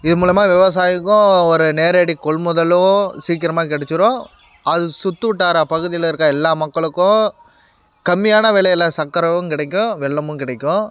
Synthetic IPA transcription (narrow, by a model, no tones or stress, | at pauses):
ɪðɯmuːlɐjɐmaːʋɛʋɐs̬aːjɪkːʊ̃ɔɾɯneːɾeːɽikɔɭmʊðɐlʊ̃siːkɪɾɐmaːkɛɽɛt͡ʃːɯɾõ | ɐðɯsʊt̪ːɯʋʈːaːɾɐpɐɣɯðɪjɪlɪɾɯkːãɛlːaːmɐkːɐɭɯkːʊ̃ | kɐmːɪjaːnɐʋɛɭɐjɪlɐsɐkːɐɾɐʋɯ̃kɪɽɐkːʊ̃ʋɛɭːɐmɯ̃kɪɽɐkːʊ̃